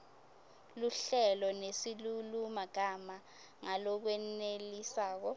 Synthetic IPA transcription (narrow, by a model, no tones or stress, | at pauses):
luɬɛlɔnesilulumaɡ̥ʱama | ŋalɔk̬wɛnelisaːk̬ɔ